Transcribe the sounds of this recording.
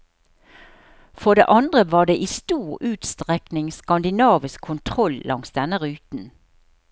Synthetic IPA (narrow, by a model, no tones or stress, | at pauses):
fɔd̪ḛːʔɑnd̪ʁəʋɑːɖ̪eːʔiːst̪uːʁʉːt̪st̪ʁɛknɪŋskɑnd̪ɪnɑːʋəskʰʊnt̪ʰʁɔllʔɑ̰ŋsd̪ɛnəʁʉːt̪n̩